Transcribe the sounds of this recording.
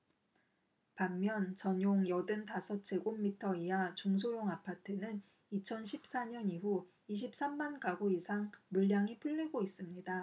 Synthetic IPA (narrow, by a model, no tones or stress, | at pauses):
pamːjʌnt͡ɕʌɲjoŋjʌdɯntasʰʌt̚t͡ɕ͈e̞ɡomːitʰʌiat͡ɕoŋs̬ʰojoŋapʰatʰɯnɯn | it͡ɕʰʌnɕʰip̚s͈aɲʌniɸu | iɕ̬ʰip̚s͈amːankaɡoisʰaŋmuɭːaŋipʰuɭːeɡois͈ɯmɲida